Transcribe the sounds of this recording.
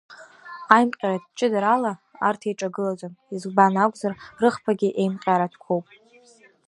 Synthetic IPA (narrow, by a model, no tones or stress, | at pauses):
ajmqʲʼaɾadt͡ʃʼɪdaɾalaa̰rtʰejʈ͡ʂʼaɡɨlad͡ʒʷʼomizɡbanakʷʼzarrɨχpʰaɡʲiʔe̞jmqʲʼaɾatʰkʷʰowpʼ